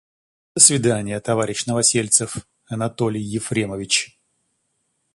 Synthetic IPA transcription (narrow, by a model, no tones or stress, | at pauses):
d̪əsvʲɪd̪anʲɪjət̪ɐvaɾʲɪɕnəvɐsʲelʲt̪sɨf | ɐnɐt̪o̞lʲɪjːɪfɾʲeməvʲɪt͡ɕ